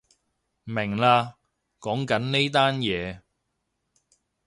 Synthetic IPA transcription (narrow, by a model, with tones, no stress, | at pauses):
mɪ˨˩ŋlaː˧ | kɔː˨˥ŋkɐ˨˥nne˥jt̪aː˥njɛː˨˧